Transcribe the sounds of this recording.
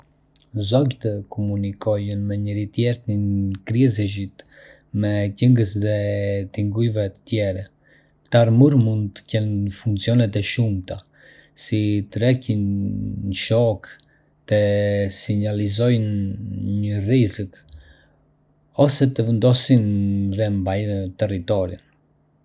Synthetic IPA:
zɔɡt̪əkʰɔmunikʰɔjənmɛɲəɾit̪jɛɾt̪inkɾɛzəʒit̪ | mɛcəŋɡəsðɛt̪iŋɡuivɛt̪ə̥t̪jɛɾɛ | t̪aɾmuɾmund̪t̪ə̥cɛnɲəfuŋkt͡siɔnɛt̪ɛʃumt̪a | sit̪əɾɛcin | ʃɔk | t̪əsiɲalizɔjnɲərizək | ɔsɛt̪əvənd̪ɔsinɾɛmbajət̪ɛrit̪ɔɾin

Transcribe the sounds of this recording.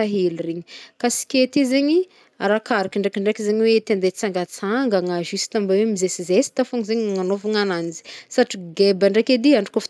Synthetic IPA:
aɦelireɲikasi̥kʲet̪izeɲi | aɾakaɾakiɳɖ͡ʐekʲiɳɖ͡ʐekizeɲiwet̪end̪et͡saŋɡat͡saŋɡaŋaʒisi̥t̪ambawemizesizesi̥t̪afoŋizeɲŋanovaŋananizi̥saʈ͡ʂiɡebaɳɖ͡ʐekʲed̪iaɳɖ͡ʐi̥kof

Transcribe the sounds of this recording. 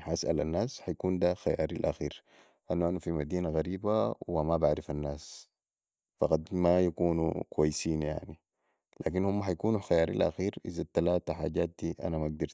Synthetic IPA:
ħʔasʔa̰lanːaːsħajakuːnd̪axaja̰ːɾilʔa̰xiːɾ | ʔanːuʔanafimad̪iːnaɣaɾiːbawimabaʕɾifanːaːs | fɑqɑd̪majakuːnṵkuwajːsiːnja̰ʕni | la̰ːk̬inhumːaħajkuːnuxajaːɾḭlʔa̰xiːɾʔizat̪alaːt̪aħaːɟaːt̪̚d̪iʔa̰namaɡ̚d̪iɾt̪

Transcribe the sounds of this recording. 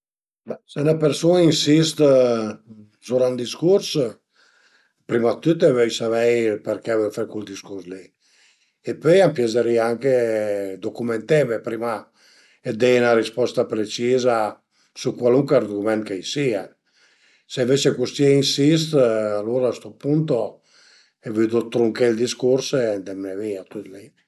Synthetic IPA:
bɛsenapeɾsunainsist̪ | zuɾand̪iskuɾs | pɾimat̪ːyt̪evøjsavɛjpeɾkɛvøfɾɛkuld̪iskuɾslɛ | epøjampjɛzeɾiaŋked̪okument̪ɛmepɾima | ed̪ɛjnaɾispɔst̪apɾet͡ʃiːza | sukwaluŋkwɛrd̪okumɛnkejsia | seĩɱvet͡ʃekust̪jɛinsis̬t̪aloːɾaːst̪opunt̪o | evyd̪ot̪ːɾuŋkeld̪iskuɾsed̪ɛmnɛviat̪ːyt̪li

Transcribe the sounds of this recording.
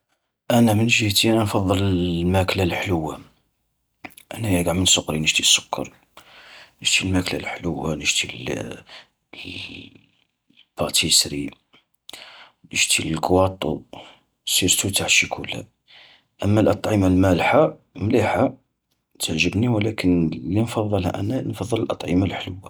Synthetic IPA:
ʔænæmənʒiht̪iænænfɑðˤːələmæklælħləwːa | ʔæ̰næjæɡaʕmənsʊqɾinəʒt̪isːʊ̥kːɑ̰ɾˤ | nəʒt̪ilmækla̰lħləwːa̰nəʒt̪i | b̥ɑt̪ʰisɾḭ | nəʒt̪illɡwɑt̪ˤːu | siɾt̪ut̪aʕʃikʰulhæ̰ | ʔəmːælʔɑt̪ˤʕimalmælħamliħa | t̪ʰəʕʒəbniwlækənlinfɑðˤːɑlhæ̰ʔæ̰nːænfɑðˤːələlʔɑt̪ˤʕimalħləwːa

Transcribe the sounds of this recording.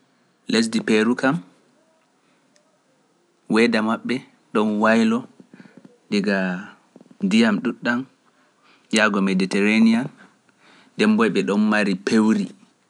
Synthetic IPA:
les̬dipeɾukam | wɛdamaɓːɛ | ɗɔnwajlɔ | diɡa | ndijamɗuɗːan | jaɡɔmeditɛɾanija | dɛmbɔjɓɛɗɔnmaɾipewɾi

